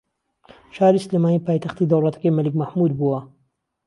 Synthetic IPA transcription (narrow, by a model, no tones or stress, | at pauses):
ʃaːɾiːsɪleːmaːniːpaːjt̪ɐxt̪iːd̪ɐwlˠɐt̪ɐ̥kɐjmɐlɨkmɐhmud̪̚buwɐ